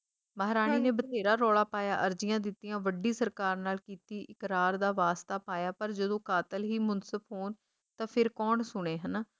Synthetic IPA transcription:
məɦɾaːñiːneːbət̪eːɾaːɾɔːɭaːpaːja̰ːʔəɾd͡ʒɪjãːd̪ɪt̪ːijãːʋəɖiːsəɾkaːɾnaːlkiːt̪iːʔɪkɾaːɾd̪aːʋaːst̪aːpaːjaːpəɾd͡ʒəd̪õːkaːt̪əlɦiːmʊnsəbɦoːn | t̪ãːpʰɪɾkɔːɳsʊɽ̃eːɦənː

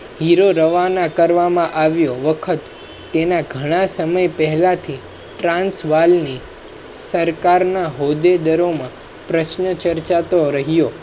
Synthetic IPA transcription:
ɦiɾoɾəʋanakəɾʋamãʔaʋjoʋəkʰət̪ː | enaɡʱəɽ̃asəməjpəɦɛlat̪ʰi | ʈɾãnsʋalni | səɾkaɾnaɦod̪ed̪əɾomã | pɾəʃnət͡ʃəɾt͡ʃat̪oɾəɦijo

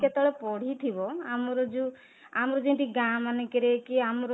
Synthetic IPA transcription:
kɛt̪ɔɭepɔɽ̤it̪ʰibɔamɔɾɔd͡ʒu | amɔɾɔd͡ʒĩnt̪iɡamanekeɾekiamɔɾɔ

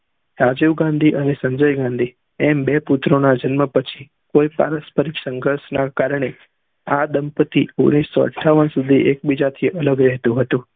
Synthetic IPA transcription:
ɾad͡ʒiʋɡãnd̪ʱiʔənesə̃ɲd͡ʒəjɡãnd̪ʱi | ɛmbeput̪ɾonad͡ʒənməpət͡ʃʰi | koipa̰ɾəspəɾiksəŋɡʱəɾsnakaɾɳe | ad̪əmpət̪iuɡnisːɔə̰ʈʰːaʋənsud̪ʱiʔek̚bid͡ʒat̪ʰiʔələɡɾɛɦt̪ũɦət̪ũ

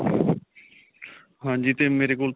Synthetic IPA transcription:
ɦãd͡ʑit̪emeɾekult̪

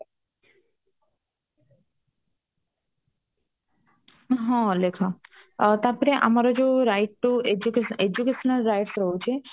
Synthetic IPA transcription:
ɦɔ̃lekʰɔ | t̪aɾpɔɾeʔa̰maɾɔd͡ʒeɾajʈʈːued͡ʒukeed͡ʑukeʃɔnalɾajʈsɾɔɦut͡ɕʰe

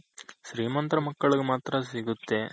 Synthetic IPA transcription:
ʃɾiːmɐnt̪ɾɐmɐkːɐɭiɡemaːt̪ɾɐsiɡut̪ːe̞

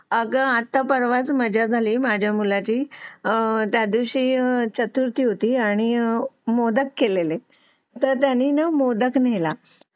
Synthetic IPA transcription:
əɡəat̪ːapəɾʋat͡sməd͡ʑad͡zʱaliːmad͡ʑʱjamulat͡ɕiː | t̪jad̪iʋɕiːt͡ɕət̪uɾt̪iːɦot̪iːaɽ̃imod̪əkːelele | t̪əɾt̪janiːnəmod̪əknela

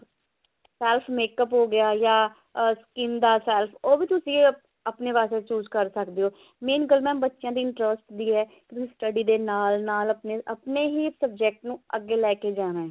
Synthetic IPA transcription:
sɛːlpʰmeːkəpɦoːɡɪjaːjaː | skɪnd̪aːsɛːlpʰoːʋiːt̪ʊsĩː | əpneːʋaːseːt͡ʃuːd͡ʒkəɾsəkd̪eːoː | meːnɡəlmɛ̃ːbətːʃɪjãːd̪iːɪɳʈɾəsʈd̪iːɦɛːkɪt̪ʊsĩːsʈəɖiːd̪eːnaːlnaːləpneəpneːɦiːsəb̚d͡ʒɛːk̚ʈnũːəɡːeːlɛːkeːd͡ʒaːnaːɦɛː

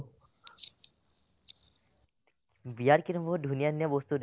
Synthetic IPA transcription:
bijaɾkiɾombʱod̪ʱunijanjabost̪uɾ

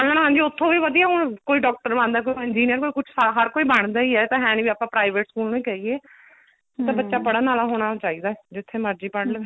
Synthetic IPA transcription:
pɛlaːnɦãːɲd͡ʒiːʊt̪ʰːõːʋiːʋəd̪ijaːɦʊɳkoːiːɖɔːk̚ʈəɾbãːnd̪aɛːkoːiɪnd͡ʒiːnjəɾkoːiːkʊt͡ʃʰsaɦəɾkoːiːbaɳ̃d̪aːiːɛːt̪ãːɦɛ̃ːnʋiːaːpãːpɾaːɪʋeːʈskuːlnũĩːkɛːieː | t̪ãːbətːʃaːpəɽaːnaːlaːɦoːɽ̃aːt͡ʃaːiːd̪aːɛd͡ʒɪt̪ʰːeːməɾd͡ʒiːpəɽl

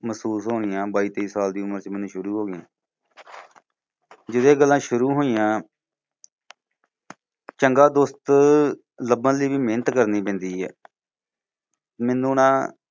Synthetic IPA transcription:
məsuːsɦoːɽɪjãːbaːiːt̪eiːsaːld̪iːʊməɾt͡ʃmɛːnːũːʃʊɾuːɦoːɡɪjãː | d͡ʒɪd̪eːɡəlːãːʃʊɾuːɦoːijãː | t͡ʃəŋɡaːd̪oːst̪ | ləbənliːʋiːmeːnət̪kəɾniːpɛ̃ːnd̪iːɦɛ̰ː | mɛːnũːnãː

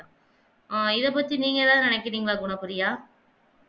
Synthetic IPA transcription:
ã | aɪðɐp̬ɐt̪ːiniːŋɡɐðãːnɪnɛkːɪɾiːŋɡɐlaːɡʊɳɐpːɯɾɪjaː

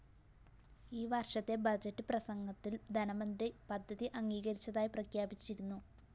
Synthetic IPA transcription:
iːʋɐrʂɐt̪ːe̞bɐd͡ʑɐtːɨprɐsɐŋɡɐt̪ːild̪ʱɐnɐmɐnd̪ripɐd̪ʱːɐðiʔɐŋɡiːɣɐɾit͡ɕːɐðaːjiprɐkʰjaːbit͡ɕːiɾunːu

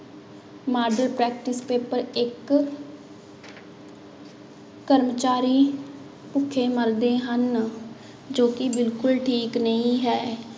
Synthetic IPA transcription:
maːɾɖəɾpɾɛːk̚ʈɪspeːpəɾɪk | əɾmət͡ʃaːɾiː | pʊkʰːẽːməɾd̪ẽːɦən | d͡ʒoːkɪbɪlkʊlʈʰiːknəĩːɦɛː

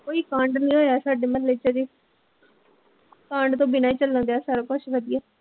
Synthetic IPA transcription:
koːiːkãːɳɖnĩːɦoːjaːsaːɖeːmət̪leːt͡ʃeːd̪eː | kãːɳɖt̪õːbɪnaːiːt͡ʃələ̃nd̪aːsaːɾaːkʊʃʋəd̪ɪjaː

